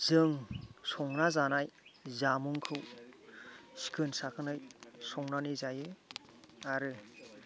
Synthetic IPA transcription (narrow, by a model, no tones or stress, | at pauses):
z̥ɯŋsɔŋnazanajzamuŋkʰɯw | si̥kʰɯnsakʰɯnajsɔŋnanɯzajɯ | aɾɯ